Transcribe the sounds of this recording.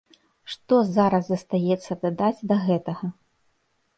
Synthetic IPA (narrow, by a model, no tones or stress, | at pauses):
ʂt̪ɔzaɾɐsːɐst̪ajɛt̪sːɐd̪ad̪ad͡zʲd̪ɐɣɛt̪ɐɣɐ